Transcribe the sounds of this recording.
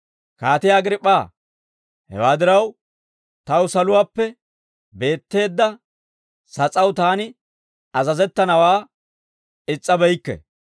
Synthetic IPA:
kaːt̪ɪjaːɡɪɾɪpʼːaː | hɛ̰waːd̪ɪɾɐw | t̪ɐwsɐlʊwaːpːɛ | be̞ːt̪ːe̞ːd̪ːɐ | sɐt͡sʼɐwt̪aːnɪ | ɐzɐzɛt̪ːɐnɐwaː | ɪt͡sʼːɐbɛjkːɛ̰

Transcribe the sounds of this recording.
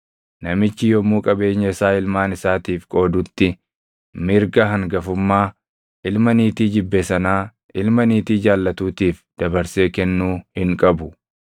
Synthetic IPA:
nɐmɪt͡ʃːɪjɔmuːkʼɐbe̞ːɲːɐɪsaːɪlmaːnɪsaːt̪iːfkʼo̞ːd̪ʊt̪ːɪ | mɪɾɡɐɦɐŋɡɐfʊmːaː | ʔɪlmɐniːt̪iːd͡ʒɪbːesɐnaː | ʔɪlmɐniːt̪iːd͡ʒaːlːɐt̪uːt̪iːfd̪̥ɐbɐɾse̞ːkɛnːuːhɪŋkʼɐbʊ

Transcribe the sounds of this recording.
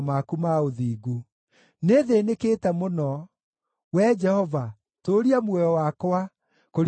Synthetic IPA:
makumaoðiːɡu | neðenekeːtɛmonɔ | wɛd͡ʒɛhɔva | toɾiamwɛɔwakwa | koɾ

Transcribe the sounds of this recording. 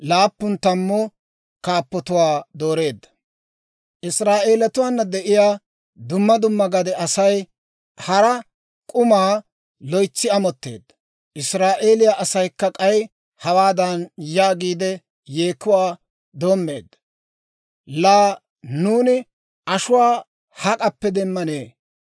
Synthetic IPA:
laːpːʊnt̪ɐmːɔ | kaːpːɔt̪ʊwaːd̪o̞ːɾe̞ːd̪ːɐ̥ | ʔɪsɾaːʔe̞ːlɐt̪ʊwaːnːɐd̪ɛʔɪjaː | d̪ʊmːɐd̪ʊmːɐɡɐd̪ɛɐsɐj | hɐɾɐ | kʼʊmaː | lɔjt͡sːɪɐmɔt̪ːe̞̰ːd̪ːɐ | ʔɪsɾaːʔe̞ːlɪjaʔɐsɐjkːɐkʼɐj | hɐwaːd̪ɐnjaːɡiːd̪ɛ | jeːkːʊwaː | d̪o̞ːmːe̞ːd̪ːɐ | laː | nuːnɪ | ɐʃʊwaː | hɐkʼɐpːɛd̪ɛmːɐne̞ː

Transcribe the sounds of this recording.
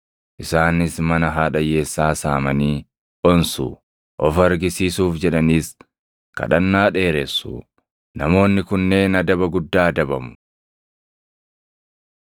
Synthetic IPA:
ʔɪsaːnɪsmɐnɐɦaːᶑɐjeːsːaːsaːmɐniː | ʔɔnsṵ | ʔɔfɐɾɡɪsiːsuːfd͡ʒɛᶑɐniːs | kkɐ̰ᶑɐnːaːᶑe̞ːɾesːṵ | nɐmo̞ːnːɪkʊnːe̞ːnɐd̪ɐbɐɡʊd̪ːaːd̪ɐbɐmʊ̥

